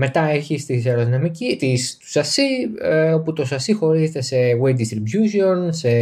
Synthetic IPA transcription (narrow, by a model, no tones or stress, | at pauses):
me̞t̪ɐeçist̪iseɾoðinɐmicit̪ist̪u̥sɐsieo̞put̪o̞sɐsixo̞ɾize̞t̪e̞se̞wed̪ist̪ɾibjusio̞nse̞